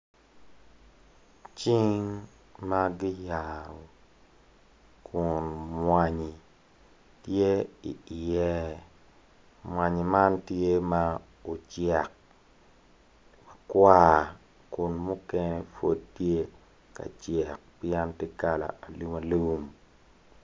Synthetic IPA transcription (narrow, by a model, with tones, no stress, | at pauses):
t͡ʃi˦ŋ | ma˦ɡɪ˦ja˨ɾɔ˨ | kʰʊ˨nmwa˨ɲi˨ | tje˦ḭ˨jɛ˦ | mwa˨ɲi˨ma˦ntje˦ma˦ | o˨t͡ʃjɛ˨k̚ | ma˨kwa˦˨ | kʊ˨nmu˦kɛ˦nɛ˦fo˦d̚tje˦ | ka̰˨t͡ʃjɛ˨k̚pjɛ˦nte˦ka˨la̰˨a˨lu˦ma˨lu˦m